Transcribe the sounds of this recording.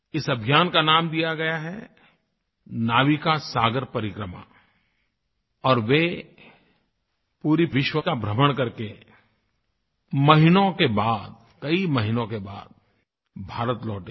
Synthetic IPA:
ɪsɐbʱijaːnkanaːmd̪ijaɡɐjaɦɛ | naːʋikasaːɡəɾpɐɾɪkɾəma̰ | ɔːɾʋe | puːɾiʋɪʃwəkabʱɾəməɽ̃kɐɾke | mɐɦɪnõkebaːd̪̚ | kɐimɐɦɪnõkebaːd̪̚ | bʱaːɾət̪lɔːʈẽ

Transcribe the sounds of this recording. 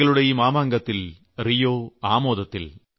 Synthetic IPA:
ɐɭɯɽɐjɐmaːmaːŋɡɐt̪ːɪl | ɾɪjoːaːmoːðɐt̪ːɪl

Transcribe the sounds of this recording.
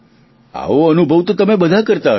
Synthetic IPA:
a̰oənubʱəʋt̪ot̪əmebəd̪ʱakəɾt̪a

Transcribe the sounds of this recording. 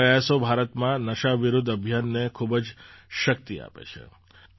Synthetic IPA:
əjasobʱaɾət̪mãnəʃaʋɪɾʊd̪ʱəbʱjanːekʰubd͡ʒʃək̚t̪ia̰pḛt͡ʃʰḛ

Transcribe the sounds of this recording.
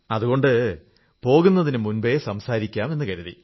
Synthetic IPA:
ɐðuɣo̞ɳɖɨ | po̞ːɣunːɐðinɨmunbejesɐmsaːɾikʲːaːme̞nːɨkɐɾuðḭ

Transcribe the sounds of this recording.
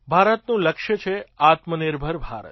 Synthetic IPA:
bʱaɾət̪nũləkʃjət͡ʃʰeat̪mənɪɾbʱəɾbʱa̰ɾə̰t̪

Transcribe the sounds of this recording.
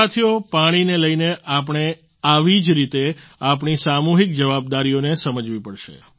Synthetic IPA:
at̪ʰiopaɽ̃ineləjneʔapɳ̃e | aʋid͡ʒɾit̪eapɳisamuɦik̚d͡ʒəʋab̚d̪aɾijonesəməd͡ʒʋipəɽʃḛ

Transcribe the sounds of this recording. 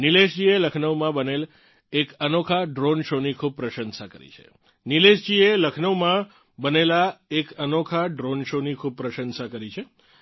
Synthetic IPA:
nileʃd͡ʒieləkʰnəʋmãbənel | ekənokʰaɖɾonʃonikʰub̚pɾəʃənsakə̰ɾḭt͡ʃʰḛ | nileʃd͡ʒieləkʰnəʋmã | bənelaekənokʰaɖɾonʃonikʰub̚pɾəʃənsakəɾit͡ʃʰe

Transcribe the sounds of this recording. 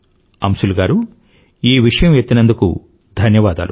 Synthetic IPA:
ɐ̰msuluɡaːɾu | iːʋiʂɐjɐmjet̪ːinɐnd̪ukṵ | d̪ʱɐnjɐʋaːd̪a̰ːlu

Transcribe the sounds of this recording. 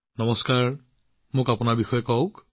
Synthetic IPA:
nɔmɔskaɹ | mʊkapʊnaɹbixɔjɔkɔʊk

